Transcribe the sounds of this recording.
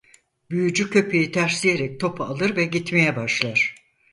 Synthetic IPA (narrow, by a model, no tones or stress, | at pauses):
byjyd͡ʒycʰø̞pʰe̞jit̪ʰæɾslʲijeɾɛc̚t̪ʰo̞pʰaːlˠɯɾvɛɟit̪me̞jɛbaʃlˠaɾ̥